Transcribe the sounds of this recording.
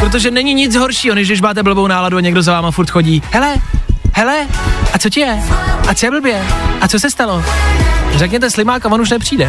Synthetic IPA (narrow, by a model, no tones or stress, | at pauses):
pɾot̪oʒɛnɛɲɪɲɪt͡sɦo̞ɾʃiːonjɪʒdɪʃmaːt̪̬ɛbl̩bownaːladuaɲɛɡdozavaːmafuɾt̪xo̞ɟiːhɛlɛhɛlɛʔat͡so̞cɪjɛʔat͡sjɛbl̩bjɛʔat͡sosɛst̪alo | rɛkɲɛt̪ɛslɪmaːkavonuʃ̬nɛpr̥iːdɛ